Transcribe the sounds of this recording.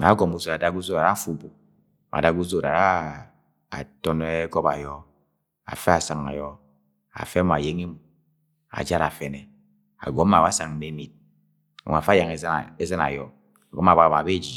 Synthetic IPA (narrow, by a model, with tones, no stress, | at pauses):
a˨˦ɡo˨mu˦zo˨a˨da˦ɡu˦zo˦ɾa˨ɾa˦˨fu˦bu˨ | mʔa̰˨da˦ɡu˦zo˦ɾa̰˨ɾa˦ | a̰˨tɔ˦ne˦kɔ˦ba˨jɔ˦ | a̰˨fe˦a˨sa˨ŋa̰˨jɔ˦ | a̰˨fe˦m˨a˨je˦ŋi˦mu˨ | a̰˨d͡ʒa˦ɾa˨fe˨ne˨ | a̰˨ɡɔ˨˦a˨a˦sa˨ŋ̩˨ne˨˦mi˨t̚ | a̰˨ŋ˨a˨fa˦ja˨ŋe˦˨e˦ze˦na̰˨jɔ˦ | a˨ɡɔ˦m˦a˨ba˦˨ba˨be˦˨d͡ʒi˨